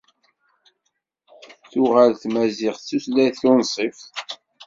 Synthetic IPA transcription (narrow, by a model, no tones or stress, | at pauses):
θʊʁalθmæzɪʁt͡sːuslæθʊnsˤif